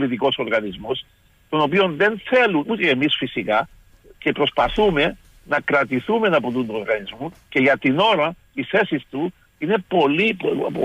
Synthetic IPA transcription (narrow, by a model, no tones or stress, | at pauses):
lit̪iko̞so̞ɾɣɐnizmos | t̪o̞no̞pio̞nðe̞nθe̞lunut̪eːmisfisikɐ | ce̞pɾo̞spɐθume̞ | nɐkɾɐt̪iθumenɐpot̪und̪uoɾɣɐnizmuce̞ʝɐt̪ino̞ɾɐ | isθe̞sist̪u | ine̞po̞lippo